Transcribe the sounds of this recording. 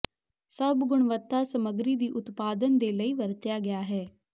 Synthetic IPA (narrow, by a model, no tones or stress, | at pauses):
səbɡʊɽ̃ʋət̪ːasəməɡɾid̪iːʔʊt̪paːd̪ənd̪eləiːʋəɾt̪jaɡɪjaːɦɛː